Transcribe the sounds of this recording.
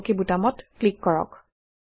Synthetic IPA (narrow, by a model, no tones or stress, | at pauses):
kibutamɔtklikːɔɹɔ̰k